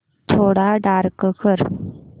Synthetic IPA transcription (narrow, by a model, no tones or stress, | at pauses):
t̪ʰoɽaɖaɾkəkəɾ